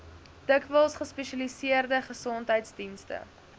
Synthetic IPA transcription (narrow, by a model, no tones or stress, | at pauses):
d̥əkvəlˠsχəspɛʃɐlisiərdəχəsɔntɦəjtsdinstə̰